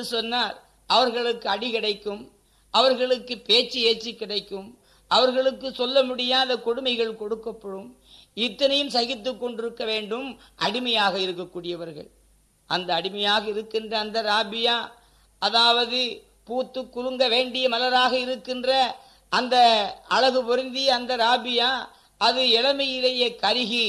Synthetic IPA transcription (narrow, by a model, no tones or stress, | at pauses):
ɯsɔnːaːɾ | ʔɐʋɐɾɣɐɭɯkːɯɐɽɪɣɪɽɐɪkːɯm | ʔɐʋɐɾɣɐɭɯkːɯpeːt͡ʃːieːt͡ʃːikːɪɽɐɪkːɯm | ʔɐʋɐɾɣɐɭɯkːɯsɔlːɐmʊɽɪjaːðɐkɔɽɯmɐɪɣɐɭkɔɽɯkːɐpːɐɽɯm | ɪt̪ːɐnɐjɯmsɐɣɪt̪ːɯkːɔɳɖɪɾɯkːɐʋeːɳɖɯm | ʔɐɽɪmɐjaːɣɐɪɾɯkːɐkːuːɽɪjɐʋɐɾɣɐ̰ɭ | ʔɐnd̪ɐːɽɪmɐjaːɣɐɪɾɯkːɪndrɐːnd̪ɐɾaːbɪjaː | ɐðaːʋɐðɯ | puːt̪ːɯkːʊɾɯŋɡɐʋeːɳɖɪjɐmɐlɐɾaːɣɐɪɾɯkːɪndrɐ | ʔɐnd̪ɐɐɻɐɣɯpɔɾɪnd̪ijɐnd̪ɐɾaːbɪjaː | ɐðɯɛlɐmɐjɪlɐjɐkɐɾɪɣi